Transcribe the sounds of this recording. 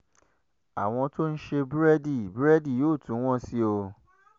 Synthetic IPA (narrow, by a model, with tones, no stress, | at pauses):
a˨w̃ɔ̃˧to˦n̩˦ʃe˧bɾɛ˦di˦˨bɾɛ˦di˦˨joː˦˨tũ˨˦w̃ɔ̃˦si˦o˧